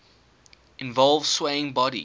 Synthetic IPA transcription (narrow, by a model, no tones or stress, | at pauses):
ɪ̃nvɔlˠv̥sweɪɪ̃ŋbɔɾḭ